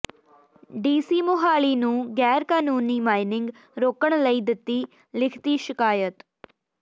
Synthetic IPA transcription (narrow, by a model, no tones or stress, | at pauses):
ɖiːsiːmʊɦaːliːnũːɡɛːɾkaːnuːniːmaːɪnɪ̃ŋɡ | ɾoːkəɳləiːd̪ɪt̪ːiː | lɪkʰt̪iːʃɪkaːjət̪